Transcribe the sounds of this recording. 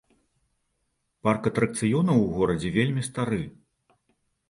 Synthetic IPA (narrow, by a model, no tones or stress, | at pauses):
parkɐt̪ɾɐk̚t̪sɨjɔnɐwɣɔɾɐd͡zʲɛvʲelʲmʲist̪aɾɨ